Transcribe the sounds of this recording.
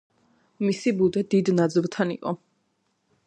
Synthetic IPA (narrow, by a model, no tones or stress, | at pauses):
misibud̪ɛd̪id̪nad̪zlˠt̪ʰanḭqʼɔ̰